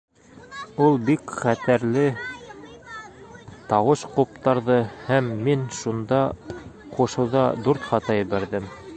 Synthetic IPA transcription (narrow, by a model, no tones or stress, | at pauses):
ulˠbikχæt̪æɾlɘ | t̪ɑwɤʃqup̚t̪ɑɾðɤhæmːinʃund̪ɑquʃɤ̆wðɑd̪uɾt̪χɑt̪ɑjɘ̆βæɾðɘm